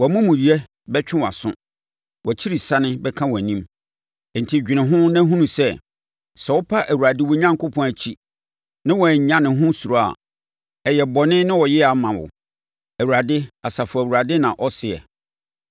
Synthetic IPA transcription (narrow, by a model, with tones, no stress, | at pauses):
wɔ˨mũ˦mũ˨ɾi˨ɛ˦ | bɛ˦t͡ɕᶣɪ̃˦wa̰˨sʊ̰̃˦ | wɔ˨t͡ɕʰi˦ɾi˨sa˦nɪ̃˦bɛ˦kʰã˦wɔ˨æ˨nĩ˦m˨ | n̩˨tʰi˦d͡ʑᶣɪ˨nɪ̃˨ɦʊ̃˦nã˦ɦũ˦nũ˨sɛ˦ | sɛ˨wʊ˦pʰa˦ʔæ˨wu˨ɾa˨dɪ˦wɔ˨˦ɲã˦ŋ˦kʰʊ˦pʰɔ̃˨æ˨t͡ɕʰi˦ | nɪ̃˦wɔ˨æ˨ɲ˨ɲã˦nɪ̃˨ɦʊ̃˦su˨ɾɔ˦a̰˨ | ɛ˨jɛ˨bɔ˨nɪ̃˦nɪ̃˦wɔ˨jɪ˦a˨mã˨wʊ̰˨ | æ˨wu˨ɾa˨dɪ˦a˨sa˨fʊ˨æ˨wu˨ɾa˨dɪ˦nã̰˨ʔɔ˦sɪ˨ɛ̰˨